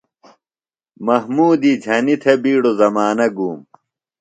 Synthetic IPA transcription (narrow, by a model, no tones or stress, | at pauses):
mɐɦmuːd̪iːd͡ʑʱɐnit̪ʰebiːɽozɐmaːnɐɡuːm